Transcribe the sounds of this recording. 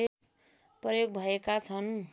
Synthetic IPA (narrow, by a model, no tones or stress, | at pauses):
e | prʌjoɡ̚bʱʌekat͡sʰʌn